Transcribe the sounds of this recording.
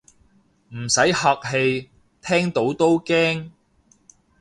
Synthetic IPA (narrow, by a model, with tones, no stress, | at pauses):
m̩˨˩sɐ˨˥jhaː˧k̚he˧j | t̪ʰɛː˥ŋt̪o˨˥wt̪o˥wkɛː˥ŋ